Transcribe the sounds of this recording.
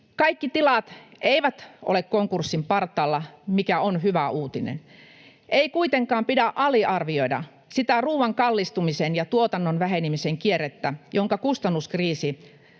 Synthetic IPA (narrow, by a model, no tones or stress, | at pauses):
kɑikːit̪ilɑt̪ʔeiʋæt̪ʔo̰lekkoŋkursːimpɑrt̪ːˑɑːlːɑmikæonhyʋæuːt̪inḛn | ʔeikuit̪eŋkɑːmpidæʔɑliʔɑrʋioidɑ̰ | sit̪æruːʋɑŋkɑlːist̪umisenjɑt̪uot̪ɑnːonʋæhenimiseŋkierːet̪ːæjʔoŋkɑkust̪ɑnːuskriːsi